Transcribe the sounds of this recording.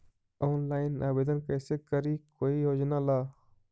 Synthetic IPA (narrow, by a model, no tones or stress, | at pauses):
ɔːnlaːɪnaːbeːd̪ənkəːsekəɾikoːijoːd͡ʒnaːlaː